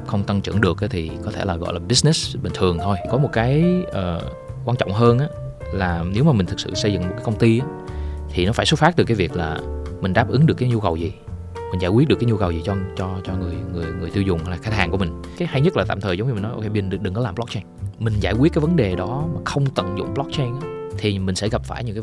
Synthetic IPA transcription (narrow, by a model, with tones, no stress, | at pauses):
xə˧wŋ͡mt̪a˧ŋt͡ɕɨ̰˧ənɗɨ˨˩ək̚ʔa˨˦t̪ʰi˨˩kɔ˨˦t̪ʰe˧˩laː˨˩ɣɔ̰˧˨jlaː˨˩ɓi˧˦˥snɛ˦˥sɓï˨˩ŋ̟t̪ʰɨ˨˩əŋt̪ʰo˧jkɔ˨˦mo˨˩t̚kaː˨˦jʔəː˨˩ | kwaː˧nt͡ɕɔ̰˧˨ŋ͡mɦəː˧nʔaː˨˦ | laː˨˩ne˨˦wmaː˨˩mi˨˩ŋ̟t̪ɨ˨˩sɨ̰˧˨sə˧jzɨ̰˧˨ŋmo˨˩t̚kaː˨˦kə˧ŋ͡mt̪i˧ʔaː˨˦ | t̪ʰi˨˩nɔ˨˦faː˧˩jso˨˦˥fa˦˥t̪ɨ˨˩ka˨˦jvi˨˩ək̚la̰ː˨˩mï̟˨˩ɗaː˦˥p̚ʔɨ˨˦ŋɗɨ˨˩əkːaː˨˦ɲu˧kə˨˩wzi˨˩ | mi̟˨˩zaː˧˩kwi˦˥t̚ɗɨ˩kːaː˨˦ɲu˧kə˨˩wzi˨˩t͡ɕɔ˧t͡ɕɔ˧t͡ɕɔ˧ŋɨ˨˩əjŋɨ˨˩əjŋɨ˨˩əjt̪i˧wzʊ˨˩ŋ͡mhə˧jlaː˨˩xaː˧t̚haː˨˩ŋku˧˩əï˨˩ŋ̟ | kaː˨˦jha˧jɲə˦˥t̚laː˨˩a̰ː˧˨t̪ʰəː˨˩zə˨˦wŋ͡mɲ˧ï˨˩nɔ˨˦ʔo̰˧kʰe˧jɓï˨˩ŋ̟ɗɨ˨˩k̚ɗɨ˨˩kːɔ˨˦laː˨˩mblɔ˦˥k̚t͡ɕɛ˧ŋmï˨˩ŋ̟zaː˧˩jkwi˦˥t̚kaː˨˦jvə˨˦nɗe˨˩ɗɔ˨˦maː˨˩xə˧wŋ͡mt̪ə̰˧˨ŋzʊ̰˧˨ŋ͡mɓlɔ˦˥k̚t͡ɕɛ˧ŋʔaː˨˦˥t̪ʰi˨˩mï˨˩ŋ̟sɛ˧˥ɣə˨˩p̚faː˧˩jɲɨ̰˧˥kaː˨˦